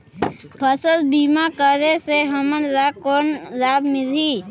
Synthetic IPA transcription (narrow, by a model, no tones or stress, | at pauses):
bʱəsəlbimakəɾeseɦəmənɾakoːnɾaːbmɪliː